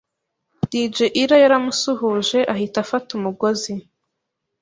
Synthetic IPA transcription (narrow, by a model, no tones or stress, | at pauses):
d̥id͡ʒeʔiɾajaɾamusuhuʒe̞ʔaɦitafatumuɡo̞zi